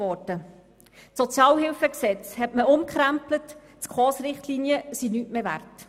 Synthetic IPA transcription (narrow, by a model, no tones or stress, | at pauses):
ɔtə | sɔt͡sjɑːlɦɪlfəksɛt͡shɛtməʊmkʰχɾæmplət | t͡skχɔːsɾɪχtliːniəsinyːtmeːvæ̰rt